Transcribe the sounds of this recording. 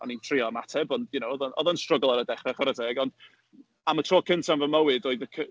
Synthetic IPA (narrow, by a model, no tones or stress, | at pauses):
ɔnintʰr̥iɔmatʰɛbɔndjʊnowɔðanɔ̰ðanstrəɡɔlˠaɾədɛχɛχɔɾɛdɛɡɔnd̥ | amətʰr̥oːkʰɪntʰanvəməwɨdoːɨðəkʰə